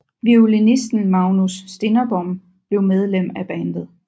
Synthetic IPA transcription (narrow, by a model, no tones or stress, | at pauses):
ʋiulinisd̥n̩mɑ̈ʊnusːd̥e̝nɐb̥ɒm | b̥le̝ʊmeð̞ˠlem̰æb̥ænd̥ð̩ˠ